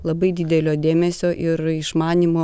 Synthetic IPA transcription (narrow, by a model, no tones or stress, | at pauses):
lˠɐbɐɪd̪ʲɪd̪ʲɛlʲoːd̪ʲeːmʲɛsʲoːʔɪɾɪʃmɑːnʲimoː